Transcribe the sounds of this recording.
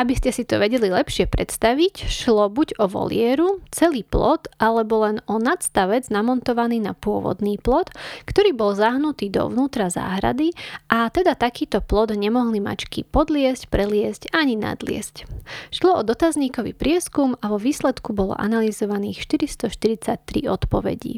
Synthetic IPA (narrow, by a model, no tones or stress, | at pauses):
abiscɛsit̪ɔʋɛɟɛlilɛpʃɪɛpɾɛt̪st̪aʋicʃlɔbuɟɔʋɔ̰lɪɛɾut͡sɛliːplɔd̪ʔalɛbɔlɛnɔnat̪st̪aʋɛd͡znamɔnt̪ɔʋaniːnapʊɔʋɔ̰d̪niːplɔt̪kt̪ɔɾiːbɔlzaɦnut̪iːd̪ɔ̰ʋʊnuːt̪ɾaza̰ːɦɾa̰d̪iʔat̪ɛd̪at̪akiːt̪ɔplɔd̪ɲɛmɔɦlima̰t͡ʃkḭpɔd̪lɪɛscpɾɛlɪɛscaɲina̰d̪lɪɛ̰scʃlɔɔd̪ɔt̪azɲiːkɔʋḭpɾɪɛskumaʋɔʋiːslɛt̪kubɔlɔ̰ʔa̰nalizɔʋaniːxʃt̪iɾist̪ɔʃt̪iɾit͡sac̚t̪ɾḭɔt̪pɔʋɛ̰ɟḭ